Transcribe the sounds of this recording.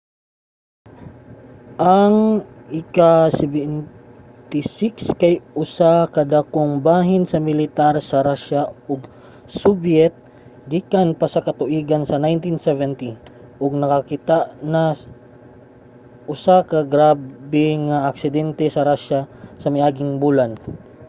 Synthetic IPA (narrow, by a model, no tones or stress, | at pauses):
ʔɐŋʔɪkasɛbɛn | t̪ɪsɪkskajʔʊsakɐd̪akoŋbaːɦɪnsɐmɪlɪt̪aɾsɐɾaʃaʊɡ | sʊbjɛt̪̚ | ɡikanpɐsɐkɐt̪ʊʔiːɡɐnsɐnajnt̪insɛvɛnt̪iʔʊɡ̚nɐkɐkit̪aʔnɐ | ʔʊsakɐɡɾaːbɛŋaʔɐk̚sɪd̪ɛnt̪ɛsɐɾaʃasɐmɪjʔaːɡɪŋbulan